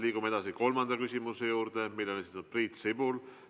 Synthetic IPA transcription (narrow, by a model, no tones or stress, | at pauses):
liːɡumee̞d̪ɑsiko̞lmɑnd̪ɑkysʲimuse̞juːɾd̪̥e̞milːo̞nesit̪nud̪̥̚priːt̪sibul